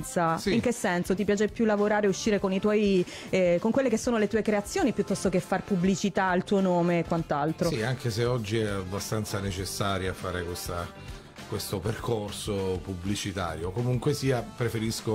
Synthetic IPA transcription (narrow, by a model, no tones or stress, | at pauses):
t̪sasiiŋk̟esːɛnsot̪̬ipjaːt͡ʃepjulːavoɾaːɾeuʃːiːɾekonit̪wɔj | koŋkwelːekesːoːnolet̪uːekɾeat̪sːjoːnipjut̪ːɔst̪ok̟efːarpubːlit͡ʃit̪ailt̪uːonoːmekwant̪alt̪ɾosiaŋk̟eseɔd͡ʒːiɛabːast̪ant̪sanet͡ʃesːaːɾjaːfːaːɾekwest̪a | kwest̪operkʰorsopublit͡ʃit̪a̰ːɾjokomuŋkwesiːapɾefeɾisko